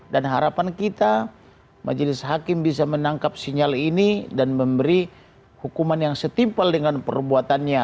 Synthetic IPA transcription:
danɦaɾapankit̪a | mʔa̰d͡ʒlɪsɦakɪmbis̬amənaŋkap̚siɲalinidanməmbəɾi | hukumanjaŋsət̪impaldəŋanpə̰rbuat̪anɲa

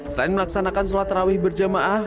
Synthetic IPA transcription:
səɾanməlaksanakansolat̪rawɪhbərd͡ʒamaʔa

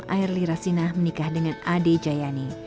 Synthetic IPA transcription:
a̰ɪrliɾasinahmənikahdəŋanaded͡ʒajani

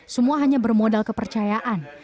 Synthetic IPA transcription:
səmuaɦaɲabərmodalkəpərt͡ʃajaʔan

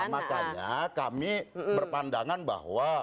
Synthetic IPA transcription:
makaɲakamibərpandaŋanba̰ɦwa

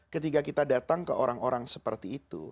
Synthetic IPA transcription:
kət̪ikakit̪adat̪aŋkəʔoɾaŋoɾaŋsəpərt̪iːt̪ṵ

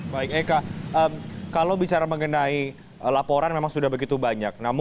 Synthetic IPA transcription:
baɪk̚ɛkaʔəmkalawbit͡ʃaɾaməŋənai | lapoɾanmemaŋsudahbəɡit̪ubaɲak̚namʊ

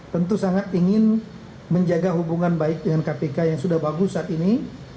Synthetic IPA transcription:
t̪ənt̪usaŋat̪iŋɪn | məɲd͡ʒaɡaɦubuŋanbaɪk̚dəŋankapekajaŋsudahbaɡusːaːt̪ini

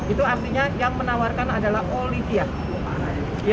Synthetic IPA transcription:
it̪uart̪iɲajaŋmənawarkanadalaholisia | j

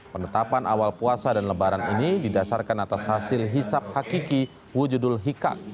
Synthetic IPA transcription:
pənət̪apanʔawalpuasadanləbaɾaninididasarkanat̪ashasɪlɦisap̚hakiki | wud͡ʒudʊlɦika̰k̚

